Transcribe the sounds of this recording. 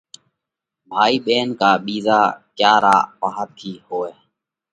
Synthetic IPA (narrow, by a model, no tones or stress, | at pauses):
bʱaːiːɓeːnkaːɓiːzaːkjaːɾaːʔpaɦat̪ʰiːɦoːeː